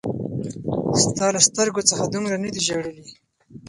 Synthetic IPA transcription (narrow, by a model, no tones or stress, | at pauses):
st̪ɑlast̪əɾɡot͡səxad̪umɾanad̪iʒaɽəli